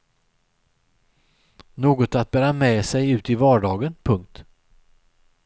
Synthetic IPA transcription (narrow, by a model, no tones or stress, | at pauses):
noːɡɔt̪at̪̚bæːɾamɛːsɛjʉ̟ːt̪ɪvɑːɖɑːɡənpʰɵŋkt̪